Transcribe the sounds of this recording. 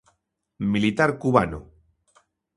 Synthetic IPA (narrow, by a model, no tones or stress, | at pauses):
milit̪aɾkuβano̰